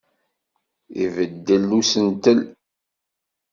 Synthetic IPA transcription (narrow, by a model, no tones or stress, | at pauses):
ivəd̪ːəlːusənt̪əl